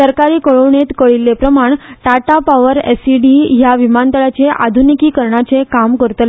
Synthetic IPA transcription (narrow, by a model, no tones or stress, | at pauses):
əɾkaɾiːkəɭoʋɳet̪kəɭilːepɾəmaɳʈaʈapaʋəɾɛ̰siɖiɦjaʋimant̪əɭat͡ɕeʔa̰d̪ʱunikiːkəɾɳat͡sekamkəɾt̪la